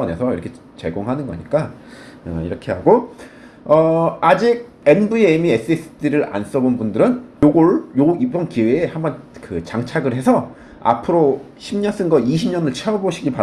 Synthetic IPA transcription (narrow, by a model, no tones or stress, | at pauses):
ʌne̞sʰʌḭɾʌkʰe̞ | t͡ɕe̞̰ɡoŋɦanɯnɡʌ̰ɲik͈a | ʌ̰ḭɾʌkʰe̞haɡo | ʌad͡ʑiɡ̚ | e̞nbuemies͈ɯes͈ʰɯ̥tʰiɾɯɾa̰ns͈ʌbonbundɯɾɯnjoɡoɭjoibʌnkiweːhambʌnkɯt͡ɕaŋt͡ɕʰaɡɯɭhe̞sʰʌ | a̰pʰɯɾoɕʰimɲʌns͈ɯnɡʌiɕʰimɲʌnɯɭt͡ɕʰeʌboɕʰiɡiɭpa